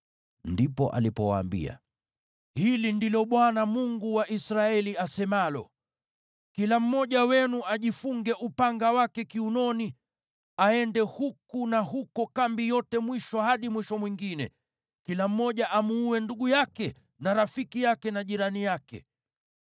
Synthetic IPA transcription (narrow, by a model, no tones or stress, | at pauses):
ndipɔ̰ʔa̰lipɔwa̰ːmbḭa̰ | hilindilɔɓwanamuŋɡuwaʔisɾaɛliasɛmalɔ̰ | kilam̩mɔʄawɛnuʔaʄifuŋɡɛʔupaŋɡawakɛkiunɔni | aɛndɛhukunahukɔkambijɔtɛmwiʃɔhaɗimwiʃɔmwiŋɡinɛ̰ | kilam̩mɔʄaʔamuːwɛnduɡujakɛ | naɾafikijakɛnaʄiɾanijakɛ̰